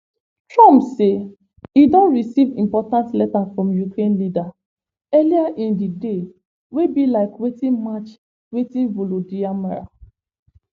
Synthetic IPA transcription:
tɹɔ̃mpse | idɔ̃nɹisivĩmpɔtãntlɛtafɹɔ̃mjukɹẽnlida | ɛliaʔĩndide | webilaɪkwetĩnmat͡ʃ | wetĩnvolodiamaɹa̰

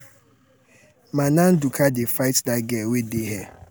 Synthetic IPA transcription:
manãn̩dukʰadefaɪtdaɡɛwedeɦɛ

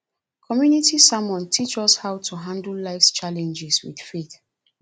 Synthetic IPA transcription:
kʰɔmjunitisamɔ̃ntʰit͡ʃɔshaʊtʰuɦãndl̩laɪfst͡ʃalɛ̃nd͡ʒɛswḭð̥feθ

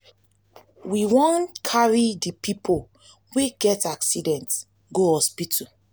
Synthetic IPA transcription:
wiwɔ̃nkʰaɹidipipʰol | weɡɛtaksidɛ̃nts | ɡohɔspitʰu

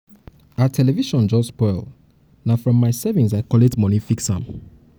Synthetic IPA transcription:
atʰɛlɛviʃɔ̃nd͡ʒɔspɔɪl | nafɹɔ̃mːaɪsɛvĩnsaɪkɔletmɔnifiksã̰m

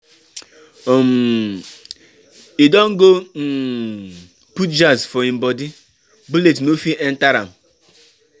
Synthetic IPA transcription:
om̩ | idɔŋ̩ɡon̩ | putd͡ʒazfɔĩm̩bɔdi | buletnofiʔɛn̩taɾa̰m̩

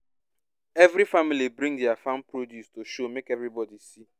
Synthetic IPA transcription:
evɾifamilibɾĩŋdiafãnpɾodjustoʃomekevɾibɔdisi

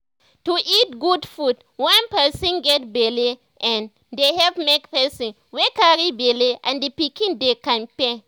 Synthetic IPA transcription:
tuʔit̚ɡudfud | wãnpɛsɔ̃nɡɛt̚beli | ʔɛ̃n | dehɛvmekpɛsɔ̃n | wekaɹibeleʔã̰ndipikĩndekãnpe

